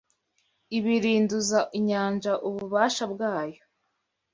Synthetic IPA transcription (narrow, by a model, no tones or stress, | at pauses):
iβiɾiːnduzaʔiɲaːnʒaʔuβuβaːʃabɡaːjo